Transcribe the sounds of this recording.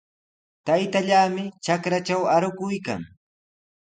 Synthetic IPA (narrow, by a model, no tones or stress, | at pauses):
t̪ajt̪aʎaːmɪt͡ʃakɾat͡ʃawaɾʊkʊjka̰ŋ